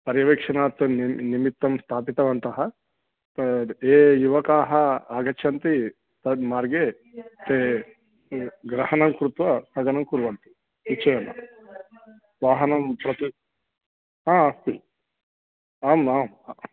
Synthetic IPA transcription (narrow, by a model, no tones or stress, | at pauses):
pɐɾjɐʋeːkʂɐnaːt̪ːunnimit̪ːɐmst̪ʰaːpit̪ɐʋɐnt̪ɐɦɐ | eːjuʋɐkaːɦɐaːɡɐt͡ʃʃʰɐnt̪i | t̪ɐmaːɾɡeː | t̪eː | ɡɾɐhɐnɐmkɾut̪ʋɐsɐɡɐnɐmkuɾʋɐnt̪i̥ | it͡ʃːejɐnːɐ | ʋaːɦɐnɐmpɾɐt̪i | aːɐst̪i | aːmaːm